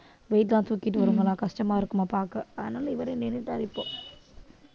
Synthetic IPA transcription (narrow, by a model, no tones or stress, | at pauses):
ʋejtlaːnt̪ʋukːiʈ̬ːɨʋɐɾuŋɡɐɭãːkɐsʈɐmaːʋɐɾkːumaːpaːkːɨɐðɨnaːliʋɐɾeneniʈːaɾipːoː